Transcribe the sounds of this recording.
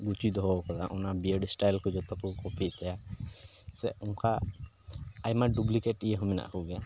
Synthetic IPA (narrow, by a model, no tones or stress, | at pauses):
ɡut͡ʃid̪ɔɦɔkɔd̪a̰ʔɔnabiəɖsʈajlkɔd͡ʒɔt̪akukɔpʰiʔt̪ɛja | sɛ̰uŋkʰa | ajmaɖublikeʈijeɦɔmina̰ʔkʰuɡɛja